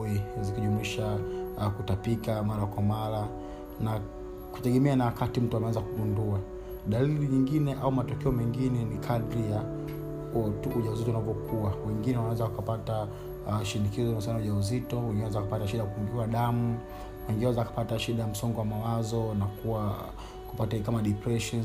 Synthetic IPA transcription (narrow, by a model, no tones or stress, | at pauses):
izikiʄumwiʃakutapikamaɾakwamaɾa | na | ku̥tɛɠɛmɛanawakatim̩tuamɛɛzakuɓundua | ɗaliɾiɲiŋɡinɛʔaumatɔkɛɔmɛŋɡinɛnikʰaɗɾija | tukuʄauzitɔunavjɔkuawɛŋɡinɛwanawɛzawakapata | ʃinikizɔnaus̬anauʄauzitɔwɛŋɡinɛwɛzakapataʃiɗajakukuŋɡuaɗamu | wɛŋɡinɛwɛzawakḁpataʃiɗajam̩sɔŋɡɔwamawazɔnakuwa | ku̥patakamaɗipɾɛʃɔn